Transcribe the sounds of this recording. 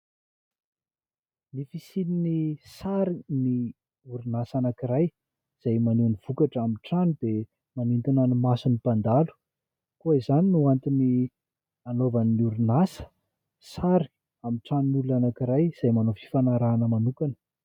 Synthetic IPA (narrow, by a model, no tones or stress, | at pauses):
nifisininisaɾini | uɾunasanakiɾaj | z̥ajmaneniv̥ukaʈ͡ʂamiʈ͡ʂanid̪e | manint̪inanimasunipand̪alu̥ | koizaninuant̪ini | anovaniuɾinasə̥ | saɾi̥ | amiʈ͡ʂaninuluanakiɾajz̥ajmanofi̥fanaɾaːnəmanukanə̥